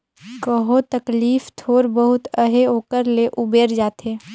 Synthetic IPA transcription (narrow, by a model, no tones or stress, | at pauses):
kəɦot̪ɐkliːft̪ʰoːɾbəɦʊt̪əɦeoːkəɾleʔʊbeːɾd͡ʒaːt̪ɦeː